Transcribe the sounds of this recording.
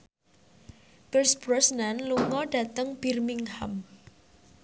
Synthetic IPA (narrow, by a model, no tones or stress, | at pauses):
b̥ərsb̥ɾɔsnanluŋɔɖ̥a̤t̪əŋb̥irmiŋham